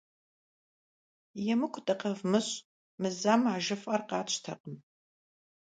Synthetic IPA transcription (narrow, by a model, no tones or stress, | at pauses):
jɛmɨkʷʰdɐqɐvmɨɕ | mɨzaːmaːʒɨfʼɐrqɑːt͡ʃʰʼtʰɐ̰qəm